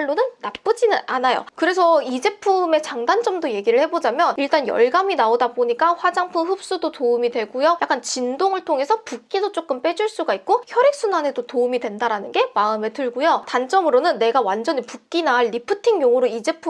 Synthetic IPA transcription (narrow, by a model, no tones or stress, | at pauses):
ɭːonɯnːap͈ɯd͡ʑinɯʔanajo̰kɯɾe̞s̬ʰʌid͡ʑe̞pʰɯme̞t͡ɕaŋdant͡ɕ͈ʌmdoje̞ɡiɾɯɭhe̞bod͡ʑamjʌniɭt͈anjʌɭɡaminaodaboɲik͈aɸwad͡ʑaŋpʰɯɸɯp̚s͈udotoumidwe̞ɡujojak͈ant͡ɕindoŋɯɭtʰoŋe̞sʰʌpuk͈idot͡ɕ͈ok͈ɯmp͈e̞d͡ʑuɭs͈uɡaik̚k͈oçjʌɾik̚s͈ʰunane̞dotoumidwe̞ndaɾanɯnɡe̞maɯme̞tʰɯɭɡujotant͡ɕ͈ʌmɯɾonɯnːe̞ɡawand͡ʑʌɲipuk̚k͈inaɭːipʰɯtʰiŋjoŋuɾoid͡ʑe̞pʰu